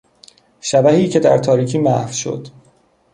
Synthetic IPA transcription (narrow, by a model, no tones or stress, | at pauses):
ʃæbæhiːcʰe̞d̪æ̰ɾt̪ʰɒːɾiːcʰiːmæhfʃo̞̰d̪̥